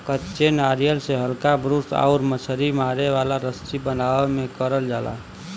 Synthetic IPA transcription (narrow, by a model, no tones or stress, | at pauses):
kətːʃenaɾijəlseɦəlkabɾusa̰ʊɾmət͡ʃʰəɾimaɾeʋalaɾəst̪ibənaemekəɾəld͡ʒala̰